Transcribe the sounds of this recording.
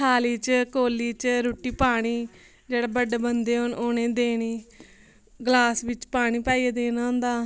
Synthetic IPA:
kʰaːliːt͡ʃkoːliːt͡ʃɾoːʈiːpaːɽ̃iː | d͡ʒeːɽaːbəɖeːbənd̪eːonoːnẽːd̪eːniː | ɡlaːsʋɪt͡ʃpaːɽ̃iːpaːiːeːd̪eːnaːɦʊ̃nd̪aː

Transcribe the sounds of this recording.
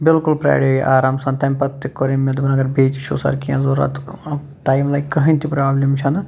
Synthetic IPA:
bɪlkulpɾa̰ːɽojḭʔaːɾaːmsɐnt̪ɐmpɐt̪ːikːoɾemed̪bɐnɐɡɐɾbeːt͡ʃt͡ʃʰo̰ːsɐ̰ːɾkiãzoɾa̰t̪ | ʈaːjmlajkːɐɦɐ̃nt̪ʰipɾaːblʲimt͡ʃʰɐnɐ

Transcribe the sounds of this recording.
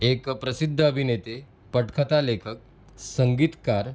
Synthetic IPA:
ekpɾəsid̪ʱːəəbʱinet̪e | pəʈkʰət̪alekʰək̚ | səŋɡit̪kaɾ

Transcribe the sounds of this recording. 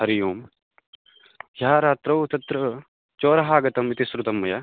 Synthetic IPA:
ɦɐɾijuːm | jaːɾaːt̪ɾɐwt̪ɐt̪ɾɐ | t͡ʃoːɾɐɦaːɡɐt̪ɐmit̪isɾut̪ɐmːɐjɐ

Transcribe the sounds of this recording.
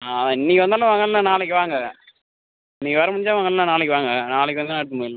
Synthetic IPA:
aɐ̃ɪnːɪkːɯʋɐnd̪alãːʋɐŋɡɐllãːnaːlɛkːɯʋaːŋɡɐ | ɪnːɪkːɐʋɐɾɐmɐɽɪɲd͡ʒaːʋɐŋɡɐllãːnaːlɛk̬ʲːɯʋaːŋɡɐnaːlɛkːɯʋɐnd̪ɯnːɐɽt̪̬ːɯmɐɪl

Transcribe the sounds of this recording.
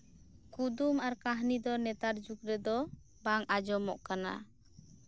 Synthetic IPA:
kud̪umaɾkaɦnid̪ɔnɛt̪aɾd͡ʒuk̚ɾɛd̪ɔ | baŋad͡ʒɔmɔʔkana̰

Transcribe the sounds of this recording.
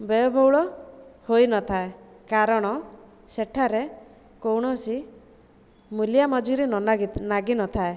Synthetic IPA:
bɔjɔbʱɔwɭɔhojnɔt̪ʰae | kaɾɔɽ̃ɔ | seʈʰaɾe | kowɽ̃ɔsi | muljamɔd͡ʒiɾinaɡinɔt̪ʰae

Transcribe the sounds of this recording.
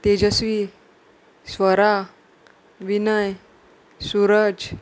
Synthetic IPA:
t̪ed͡ʑəsʋi | sʋəɾa | ʋinəj | suɾəd͡ʑ

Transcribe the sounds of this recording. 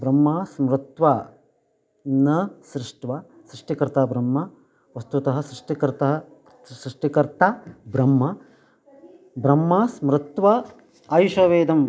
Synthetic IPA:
bɾɐmːaːsmɾɪt̪ʋɐ | nɐsɾɪʂʈʋɐ | sɾɪʂʈikɾt̪aːbɾɐmːɐ | ʋɐst̪ut̪ɐɦɐ̆sɾɪʂʈikɾt̪ɐɦɐ | sɾɪʂʈikɐɾt̪abɾɐmːɐ | bɾɐmːɐsmɾɪt̪ʋɐː | jʃɐʋeːd̪ɐm

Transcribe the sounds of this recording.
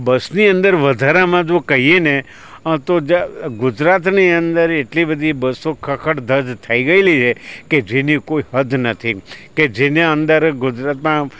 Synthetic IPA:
bəsniənd̪əɾʋəd̪ʱaɾamãd͡ʒokəɦiene | t̪od͡ʒɡʊd͡ʒɾat̪niə̃nd̪əɾeʈlibəd̪ʱibəsokʰəkʰəɽd̪ʱəd͡ʒ̪t̪ʰəiɡəelit͡ʃʰeked͡ʒenikoiɦəd̪ʱnət̪ʰiked͡ʒeneə̃nd̪əɾɡʊd͡ʒɾat̪mã

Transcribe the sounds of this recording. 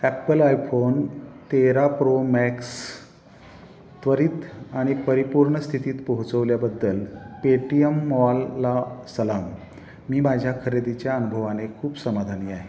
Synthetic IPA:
æpəlajfont̪eɾapɾomæks | t̪ʋəɾiːt̪aɽ̃ipəɾipuɾɳəst̪ʰit̪iːt̪pəɦut͡səʋljabəd̪ːəlpeʈiəmːɔlːasəlamː | iːmad͡ʑʱjakʰəɾed̪it͡ɕjaənubʱəʋanekʰuːpsəmad̪ʱaniːaɦe

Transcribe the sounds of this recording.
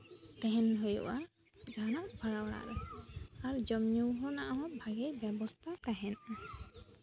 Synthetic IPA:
kaɦɛnɦɔjɔ̰ʔa | d͡ʒanaʔbʱaɾawɽa̰ɾɔaɾd͡ʒɔmɲuwɦɔnaʔaɦɔ̃bʱaɡɛjbjɛbɔst̪ʰakaɦɛna

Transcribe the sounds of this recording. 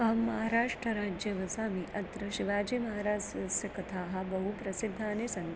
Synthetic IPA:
ɐɦɐmːɐɦaːɾaːʂʈɾɐɾaːd͡ʒjeʋɐsaːmiʔɐt̪ɾɐʃiʋaːd͡ʒemɐɦaːɾaːsʂjɐkɐt̪ʰaːɦɐbɐɦupɾɐsid̪ʱːaːnesɐŋ

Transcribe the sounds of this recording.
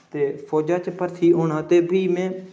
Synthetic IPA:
t̪eːfʰɔːd͡ʒaːt͡ʃpəɾt̪ʰiːɦoːɳãːt̪eːbʱiːmɛ̃ː

